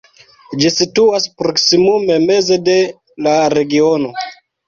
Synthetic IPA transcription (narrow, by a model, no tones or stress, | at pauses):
d͡ʒisituaspɾo̞ksimume̞me̞ze̞de̞ | laɾe̞ɡiono̞